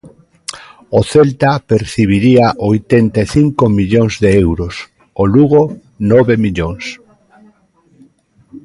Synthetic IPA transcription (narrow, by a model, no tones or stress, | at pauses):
oθelt̪apeɾθiβ̞iɾiaʔojt̪ent̪aeθiŋkomiʎoŋzðeewɾos | oluɣo | nɔβemiʎoŋs